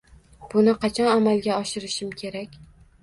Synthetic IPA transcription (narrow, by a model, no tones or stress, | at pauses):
b̥ʊnɪqʰɑt͡ʃʰɒnamalˠɡʲaɒʃɪɾɪʃɪmkʲʰe̞ɾakʲ